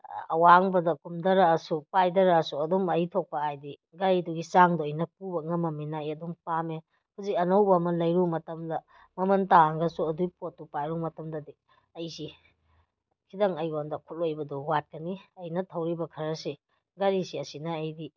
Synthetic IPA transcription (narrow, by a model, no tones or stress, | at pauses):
ɐ̰waŋbɐdɐkumdɐɾɐːsupajdɐɾɐːsuɐdumɐjtʰok̚pɐajdi | ɡaɾjduɡisaŋdoɐjnɐp̚ubɐŋɐmɐminɐɐjɐdumpame | huziɐnɐwbɐmɐlɐjɾumɐtɐmdɐ | mɐmɐntaŋɡɐsuɐdujpot̚ːupajɾumɐtɐmdɐdi | ɐjsi | kʰidɐŋɐjondɐkʰut̚lojbɐduwat̚kɐniɐjnɐtʰɐwɾibɐkʰɐɾɐsi | ɡaɾisiɐsinɐːjdi